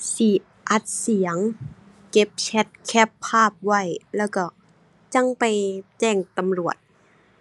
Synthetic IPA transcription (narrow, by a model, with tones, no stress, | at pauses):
si˧˩ | ʔa˧˩t̪̚si˨˩˦əŋ | ke˧˥p̚t͡ɕʰɛ˧˥t̪̚kʰɛ˧˥pʰːaː˥˩p̚wa˧˥˩jlɛː˧˩wka˧˩ | t͡ɕa˧˥˨ŋpa˨jt͡ɕɛː˧˩ŋt̪a˧˨mlu˨˩ət̪̚